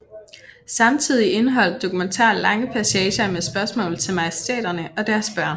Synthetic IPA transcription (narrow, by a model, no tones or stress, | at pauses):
sɑ̈mt͡sʰið̞̰ˠie̝nəɦɒ̽l̰d̥̚ːo̝kument͡sʰɑ̰̈ːlɑ̈ŋəpʰæsɛːɕɐmesb̥ɶɐsmɔ̰ːlð̩ˠt͡sʰe̝lmɑ̈jsd̥ɛ̰ːd̥ɐnəɒ̽d̥æɐsb̥ɶɐn